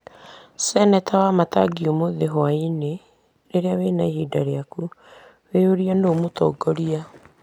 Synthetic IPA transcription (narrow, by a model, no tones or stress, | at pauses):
sɛnɛtʰawamata̰ɡiomoðeɦwaine | neɾeawenaihidaɾeaku | weoɾianoːmotɔ̰ːɡɔɾia